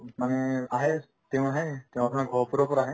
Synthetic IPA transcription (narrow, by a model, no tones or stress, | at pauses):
manɛaɦɛ | tɛʊ̃aɦɛtɛʊ̃atʰɔmakɡʱɔpuɾɔpɔɹaːɦɛ